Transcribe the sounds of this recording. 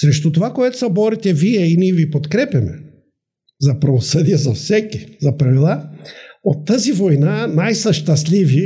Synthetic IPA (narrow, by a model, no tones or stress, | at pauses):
sɾɛʃt̪ɔt̪ovakojɛt̪o̥sabɔɾit̪ʲɛviɛiniɛvipot̪kɾɛpɛmɛ̰ | zapɾɐvosəd̪ijazasɛkizapɾavilˠa | ot̪ːazivɔjnanajsaʃt̪aslʲivi